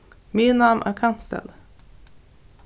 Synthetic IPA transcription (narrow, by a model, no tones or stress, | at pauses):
minamʔæ̰ːɾkʰanst̪ɛ̰l